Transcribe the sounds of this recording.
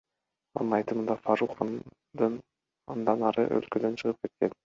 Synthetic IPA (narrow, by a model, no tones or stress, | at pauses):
ɑ̰nɯnɑjt̪ɯmɯnd̪ɑfaɾuχan | d̪ɯn | ɑ̰nd̪ɑnɑɾɯ̰ʔø̰lkød̪ø̞nt͡ʃʰɯʁɯp̚ke̞t̪̚ke̞n